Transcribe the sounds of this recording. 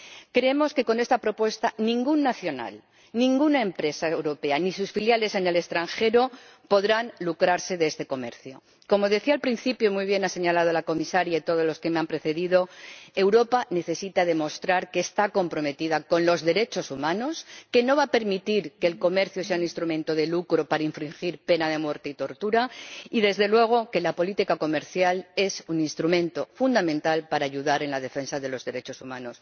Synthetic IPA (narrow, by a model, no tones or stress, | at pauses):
kɾeemo̞ske̞ko̞nest̪apɾo̞pwe̞st̪anĩŋɡunːaθjo̞na̰l | nĩŋɡunaempɾe̞saewɾo̞pe̞anisusfiljale̞sene̞le̞st̪ɾaŋxe̞ɾo | po̞ðɾanlukɾaɾse̞ðest̪e̞ko̞me̞̰ɾθjo̰ | ko̞mo̞ð̞e̞θialpɾinθipjomujβ̞je̞nase̞ɲalað̞olako̞misaɾjait̪o̞ðo̞zlo̞ske̞meampɾe̞θe̞ðiðo̞e̞wɾo̞pane̞θe̞sit̪aðe̞mo̞st̪ɾaɾke̞ːst̪ako̞mpɾo̞me̞t̪iðako̞nlo̞zðe̞ɾe̞t͡ʃo̞sumãno̞ske̞no̞β̞ape̞ɾmit̪iɾke̞ːlko̞me̞ɾθjoseauninst̪ɾumẽ̞nt̪o̞ð̞e̞lukɾo̞paɾaiɱfɾiŋxiɾpe̞nað̞e̞mwe̞ɾt̪eit̪o̞ɾt̪uɾaiðe̞zðe̞lwe̞ɣ̞o̞ke̞lapo̞lit̪ikako̞me̞ɾθjale̞sunĩnst̪ɾumẽ̞nt̪o̞fund̪amẽ̞nt̪alpaɾaːʝuðaɾe̞nlað̞efe̞nsaðe̞lo̞zðe̞ɾe̞t͡ʃo̞sumãnos